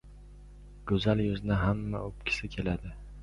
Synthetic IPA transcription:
ɡ̥ɵzaljʊzɪnaɦamːa̰ɵp̚kʲʰɪ̥sɪkʲʰe̞lad̪ɪ

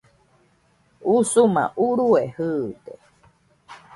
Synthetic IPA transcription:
usumã̰ʔuɾuehɨt̪e

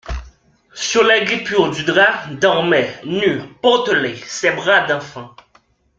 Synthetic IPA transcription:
syʁlɛɡʁipyʁd̪yd̪ʁad̪ɔʁmɛnypɔʁt̪əlesɛbʁad̪ɑ̃fɑ̃

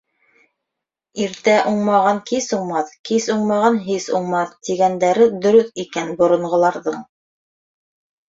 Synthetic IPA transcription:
iɾt̪æʔuɴmɑʁɑŋkisuɴmɑθkisuɴmɑʁɑnɦisṵɴmɑθt̪iɡænd̪æɾɘd̪ɵ̆ɾɵθikænbŏɾŏɴʁɤ̆lˠɑɾðɤɴ

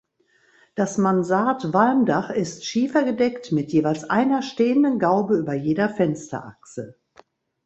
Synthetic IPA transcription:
d̥asmanzaːtvalmdaχɪstʃiːfɐɡədɛktmɪtjeːvaɪlsʔa̰ɪnɐʃteːəndənɡaʊbəyːbɐjeːdɐfɛnstɐ̰ʔa̰ksə

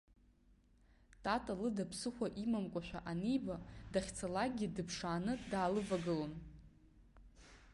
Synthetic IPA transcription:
tʼatʼalɨdapʰsɨχʷaʔimamkʷʼaʃʷᶣaʔanijbadaχʲt͡sʰalaɡʲidɨpʰʂaːnɨdaːlɨvaɡɨlon

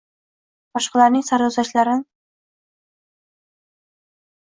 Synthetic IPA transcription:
bɒʃqɑlˠaɾnɪŋsaɾuzaʃlaɾɪn

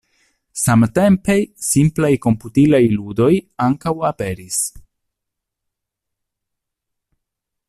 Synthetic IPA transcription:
samte̞mpe̞simplajko̞mputilajludo̞jaŋkawape̞ɾis

